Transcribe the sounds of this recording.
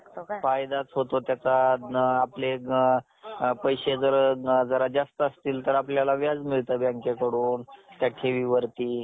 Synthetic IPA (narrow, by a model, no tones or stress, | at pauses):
fajd̪at͡sɦot̪ot̪jat͡saːple | pəjɕed͡zəɾd͡zəɾad͡zast̪əəst̪iːlt̪əɾapljalaʋjad͡zmiɭt̪əbjaŋkekəɽuːnt̪jakʰeʋiʋəɾt̪iː